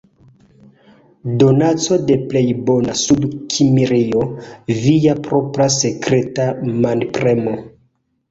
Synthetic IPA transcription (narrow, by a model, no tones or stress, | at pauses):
donat͡so̞de̞ple̞jbo̞nasudkʰimiɾiovijapɾopɾase̞kɾetamanpɾemo